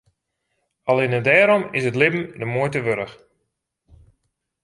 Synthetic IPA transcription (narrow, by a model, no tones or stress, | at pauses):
ɑlˠɪnədɛːɾɔmɪsətlɪbm̩dəmojtəʋøɾəx